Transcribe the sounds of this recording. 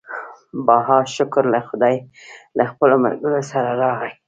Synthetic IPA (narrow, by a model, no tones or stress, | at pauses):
bɑɦɑʃʊkɾlaxʊd̪ɑjlaxpəloma̰lɡəɾosaɾaɾɑɣaj